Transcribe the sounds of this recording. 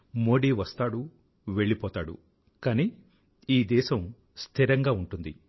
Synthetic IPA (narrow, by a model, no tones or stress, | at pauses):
moːɽiːʋɐst̪aːɽu | ʋe̞ɭːipɔːt̪aːɽṵ | kaːni | iːd̪ɛːʃɐm | st̪ʰiɾɐŋɡaːuɳʈund̪i